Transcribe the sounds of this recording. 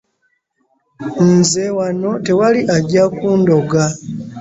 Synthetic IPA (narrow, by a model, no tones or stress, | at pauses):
nzewano̞te̞waliʔaɟakuːndo̞ɡa